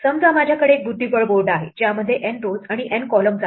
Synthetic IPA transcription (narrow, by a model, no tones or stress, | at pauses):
səmd͡zamad͡ʑʱjakəɽeːk̚bud̪ʱːibəɭboɾɖaɦed͡ʑjaməd̪ʱːjeʔɛnʈod͡zaɽ̃iʔenkɔləmd͡za